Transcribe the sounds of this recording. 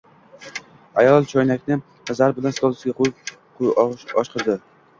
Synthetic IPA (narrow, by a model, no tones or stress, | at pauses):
ajɒlˠt͡ʃʰɒjnakʲnɪ | azaɾbɪlanst̪olˠɪsɡʲaqʊj | qʰʊjɒʃqʰɨɾd̪ɪ